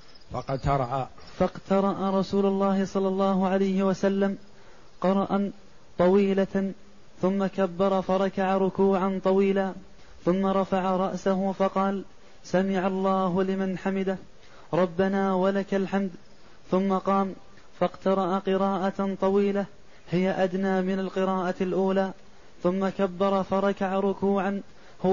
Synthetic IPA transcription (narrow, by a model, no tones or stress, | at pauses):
fɑq̪t̪ɑɾˤɑʔa | fɑqt̪ʰɑɾˤɑʔaɾˤɑsuːlʊlːɑːhɪsˤɑlːɑlːɑːɦʊʕalajhɪwasalːam | qɑɾˤɑʔa | t̪ˤɑwiːla | θʊmːakabːɑɾˤɑfɑɾˤɑkaʕaɾˤʊkuːʕant̪ˤɑwiːlaː | θʊmːaɾˤɑfaʕaɾˤɑʔsaɦʊfɑqɑːl | samɪʕɑlˤːɑːhʊlɪmanħamɪd̪a | ɾˤɑbːanaːwalakalħamd̪ | θʊmːaqɑːm | fɑqt̪ɑɾˤɑʔaqɨɾɑːʔat̪ˤɑwiːla | hɪjaʔad̪naːmɪnalqɨɾaːʔalʔuːlaː | θʊmːakabːɑɾˤɑfɑɾˤɑkaʕaɾˤʊkuːʕan | hʊ